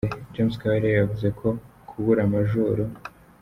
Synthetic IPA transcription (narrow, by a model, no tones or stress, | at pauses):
d͡ʒemskaɾejavuze̞kʰo̞kʰuɡuɾamaʒuɾu